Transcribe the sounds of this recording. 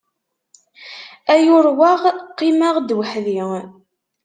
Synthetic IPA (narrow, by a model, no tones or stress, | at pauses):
æjʊɾwaʁqːimaʁd̪wəħði